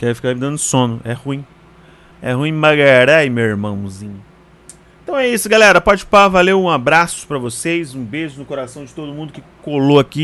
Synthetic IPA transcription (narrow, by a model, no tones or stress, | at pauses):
kɛfi̥kaimĩd̪ɐ̃nʊsõnʊʔɛhũĩ | ɛ̰hũĩmaɡaɾɛjmewɪɾmɐ̃w̃mũzĩɲʊ | ẽt̪ɐ̃w̃ɛisʊɡalɛɾɐpɔd͡ʒɪpavalewũabɾasʊ̥pɾɐvosejzũbezʊnʊkoɾasɐ̃w̃d͡ʒɪt̪od̪ʊmũd̪ʊkɪkoloaki